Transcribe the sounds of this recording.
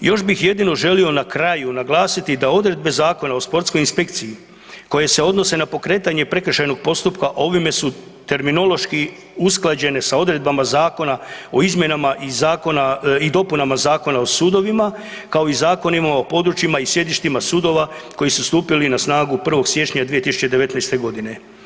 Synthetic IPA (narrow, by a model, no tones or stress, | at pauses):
jo̞ʃbixje̞d̪ino̞ʒe̞lio̞nakɾajunaɡlˠaːsit̪id̪ao̞d̪ɾe̞d̪̚be̞zaːko̞nao̞spo̞ɾt̪sko̞jinspe̞k̚t̪siji | ko̞je̞se̞o̞d̪no̞se̞napo̞kɾe̞ːt̪aɲe̞pɾe̞kr̩ʃajno̞ɡ̥̚po̞st̪upkaʔo̞ʋime̞sut̪e̞ɾmino̞lo̞ʃki | usklˠad͡ʑe̞ne̞sao̞d̪ɾe̞d̪̚bamazaːko̞nao̞izmʲje̞namaʔizaːko̞naid̪o̞punamazaːko̞nao̞suːd̪o̞ʋima | kao̞izaːko̞nimaopo̞d̪ɾut͡ɕimaisje̞d̪iʃt̪imasuːd̪o̞ʋa | ko̞jisust̪uːpilinasnaːɡupr̩ʋo̞ɡsje̞t͡ʃɲad̪ʋijet̪isut͡ʃe̞d̪e̞ʋe̞t̪najst̪e̞ɡo̞d̪ine̞